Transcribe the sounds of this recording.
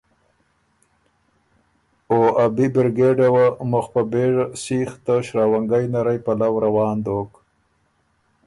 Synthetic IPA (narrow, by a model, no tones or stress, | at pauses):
oabibɪɾɡeɖewamʊxpabeʐasixt̪aʃɾaːwaŋɡajnaɾajpalawɾawɑːnd̪oːk